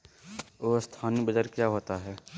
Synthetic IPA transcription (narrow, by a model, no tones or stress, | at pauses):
oːst̪ʰaːnibəd͡ʒəɾkjaːɦoːt̪aɦɛː